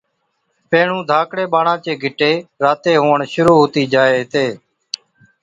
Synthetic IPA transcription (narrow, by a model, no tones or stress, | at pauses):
pẽːɳ̤ũːd̪ʱaːkɽeːɓaːɳãːt͡ʃeːɡʱɪʈeːɾaːt̪eːɦoːəɳʃʊɾuːɦoːt̪iːd͡ʒaːeːt̪eː